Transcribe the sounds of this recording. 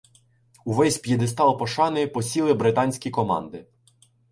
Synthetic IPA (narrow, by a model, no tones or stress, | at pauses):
uʋɛsʲpʲjɛd̪ɪst̪ɑlˠpɔʃɑnɪpɔsʲilˠɪbɾɪt̪ɑnʲsʲkʲikɔmɑ̰nd̪ɪ